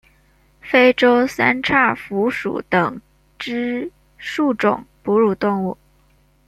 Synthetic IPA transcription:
fe˥ɪʈ͡ʂo˥ʊsa˥nʈ͡ʂʰa˥˩fu˧˥ʂṵ˨˧˩t̪ɤ˨˩ŋ | ʈ͡ʂɻ̩˥ | ʂu˥˩ʈ͡ʂʊ̰˨˩ŋpu˧˥ɻu˨˩t̪ʊ˥˧ŋu˥˩

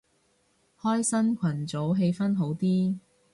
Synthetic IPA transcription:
hɔː˥jsɐ˥nkʷʰɐ˨˩nt͡so˨˥wɦe˧jfɐ˥nɦo˨˥wt̪iː˥

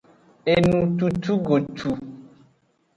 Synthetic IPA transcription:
e˨nũ˨t̪u˨t̪u˦ɡo˨t̪ʰu˨

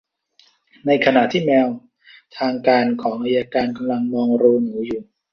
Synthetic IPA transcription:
na˧jkʰa˧na˨˩ʔt̪ʰiː˥˩mɛː˧w | t̪ʰaː˧ŋkaː˧nkʰɔː˩˦ŋʔaː˧jaː˧kaː˧nka˧mla˧ŋmɔː˧ŋɾuː˧nɯː˩˦juː˨˩

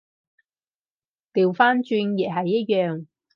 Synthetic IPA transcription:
t̪iː˨˩wfaː˥nt͡ʃyː˧njɛ˨ɦɐ˨jːɐ˥t̚jœː˨ŋ

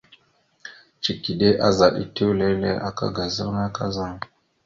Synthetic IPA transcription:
t͡ʃi˨ki˨de˦ʔa˦za˨ɗḭ˨tu˦wle˦lḛ˦ʔa̰˨ka̰˦ɡa˨zə˦ɾna˦ka˦za˦ŋ

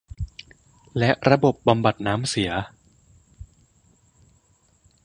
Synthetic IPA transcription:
lɛ˦˥ʔɾa˧bo˨˩p̚ba˧mba˨˩t̪̚naː˦˥msi˩˦ɐ

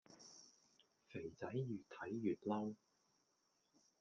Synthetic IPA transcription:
fe˨˩jt͡sɐ˨˥jjyː˨t̪ʰɐ˨˥jːyː˨t̚lɐ˥w

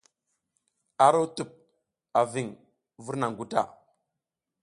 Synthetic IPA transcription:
a˦ɾo˦tu˨p̚ | a˨vi˨ŋ | vu˦ɾna˨ŋɡu˦ta̰˦˨

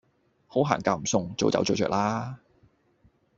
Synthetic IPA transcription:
ho˨˥wɦa̰ː˨˩nkaː˧˩m̩˨˩sʊ˨˧ŋt͡so˨˥wt͡sɐ̰˨˥wt͡so˨˥wt͡ʃœː˧k̚laː˥

